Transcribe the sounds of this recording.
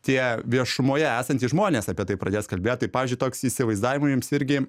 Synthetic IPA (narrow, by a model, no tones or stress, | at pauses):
t̪ʲiɛʋʲiɛʃʊmoːjɛæːsɐnt̪ʲiʒmoːnʲeːsɑpʲiɛt̪ɐɪpɾɐd̪ʲeːskɐlʲbʲeːt̪ɐɪpɑːʋʲiːzʲd͡ʒʲʊɪt̪oːksisʲɪʋɐɪzd̪ɑːʋʲɪmɐjʊmsɪɾʲɡʲɪ